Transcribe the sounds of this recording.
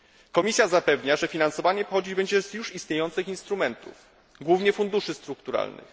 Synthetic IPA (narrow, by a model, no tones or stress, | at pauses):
kɔmʲisʲjazapɛvɲaʐɛfʲinansɔvaɲɛpɔxɔd͡ʑid͡ʑbɛɲd͡ʑɛzjuʂist̪ɲejɔnt̪sɘxinst̪ɾumɛnt̪ṵf | ɡwuvɲɛfund̪uʂɘst̪ɾukt̪uɾa̰lnɘ̰x